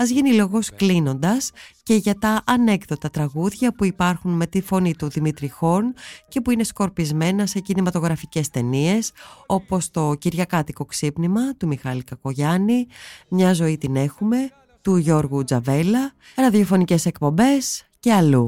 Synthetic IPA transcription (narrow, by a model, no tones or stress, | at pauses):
ɐzʝenilo̞ɣo̞sklino̞nd̪ɐsce̞ʝɐt̪ɐʔɐne̞kðo̞t̪ɐt̪ɾɐɣuðʝɐpuipɐɾxunme̞t̪ifo̞nit̪uðimit̪ɾixo̞nce̞puine̞sko̞ɾpizme̞nɐse̞cinimɐt̪o̞ɣɾɐfice̞st̪e̞nie̞so̞po̞st̪o̞ciɾʝɐkɐt̪iko̞ksipnimɐt̪umixɐlikɐko̞ʝɐnimɲɐzo̞it̪ine̞xume̞ | t̪uʝo̞ɾɣud͡zɐve̞lɐ | ɐɾɐðjofo̞nice̞se̞kpo̞mbe̞s | ce̞ɐlu